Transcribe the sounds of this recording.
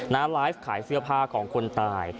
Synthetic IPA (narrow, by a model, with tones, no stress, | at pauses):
naː˦˥laː˦˥jfkʰaː˩˦jsɯ˥˩ɐpʰaː˥˩kʰɔː˩˦ŋkʰo˧nt̪aː˧j